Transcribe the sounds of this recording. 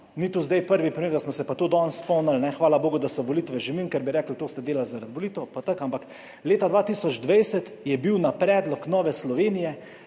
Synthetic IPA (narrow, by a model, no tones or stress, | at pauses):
nit̪uzd̪ajpəɾʋipɾimeːɾd̪asmɔsɛpat̪od̪ɔnspɔnalnɛxʋaːlaboːɡʊd̪asɔʋɔlit̪ʋɛʒɛʋimkɛɾbiɾɛːklt̪oːst̪ɛd̪eːlalzaɾad̪ʋɔliːt̪ɔpat̪əkampak | leːt̪ad̪ʋat̪iːsɔd͡ʒd̪ʋɛjsɛt̪ | jɛbiwnapɾɛːd̪lɔknɔːʋɛslɔʋeːnijɛ